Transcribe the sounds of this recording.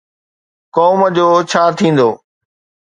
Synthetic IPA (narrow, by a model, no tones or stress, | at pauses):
kɔːməd͡ʑoːt͡ɕʰaːt̪ʰĩːn̆d̪oː